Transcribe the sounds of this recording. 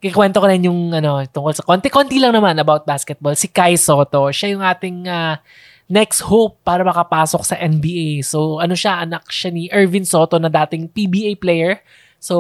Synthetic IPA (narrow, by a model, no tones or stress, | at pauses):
kwɛnt̪okɐɾɪnjʊŋʔɐno̞t̪ʊŋkolsɐkoːnt̪ɪkont̪ilɐŋnɐmanɐbawt̪̚baːskɛt̪̚bolsɪkajso̞ːt̪o̞ʃajʊŋʔaːt̪ɪŋa | nɛkshowpːaːɾɐmɐkɐpaːsok̚sɐʔɛnbiːʔejsoʔɐno̞ʃaʔɐnɐk̚ʃaniʔɛɹvɪnso̞ːt̪o̞nɐd̪aːt̪ɪŋpibiːʔejplɛjɛɹ | so